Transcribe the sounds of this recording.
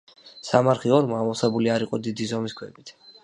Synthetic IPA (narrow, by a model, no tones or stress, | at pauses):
samaɾχiɔɾmamɔsɛbuliaɾiqʼɔd̪id̪izɔmiskʰwɛbit̪ʰ